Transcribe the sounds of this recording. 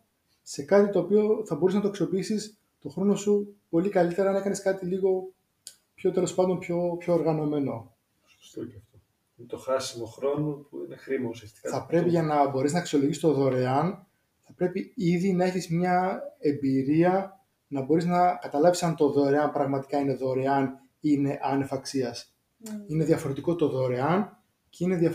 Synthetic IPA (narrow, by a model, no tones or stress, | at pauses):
se̞kɐt̪it̪o̞ːpio̞θɐbo̞ɾiznɐt̪oksio̞piisis | t̪o̞xɾo̞no̞supo̞likɐlit̪e̞ɾɐnɐekɐne̞skɐt̪iliɣo̞ | pço̞t̪elo̞spɐnd̪o̞mpço̞pço̞ːɾɣɐno̞me̞no̞ | ɐft̪o | inet̪oxɐsimoxɾo̞nopuḭnexɾimɐusiɐst̪i̥kɐɐpɾe̞piʝɐnɐbo̞ɾiznɐeksio̞lo̞ʝist̪oðo̞ɾe̞ɐn | θɐpɾe̞piiðinɐe̞çizmɲɐe̞mbiɾiɐ | nɐbo̞ɾiznɐkɐt̪ɐlɐvsisɐnt̪o̞ðo̞ɾe̞ɐnpɾɐɣmɐt̪i̥kɐine̞ðo̞ɾe̞ɐn | ine̞ʔɐnefɐksiɐs | ine̞ðʝɐfo̞ɾe̞t̪iko̞t̪o̞ðo̞ɾe̞ɐn | ce̞ine̞ðjɐ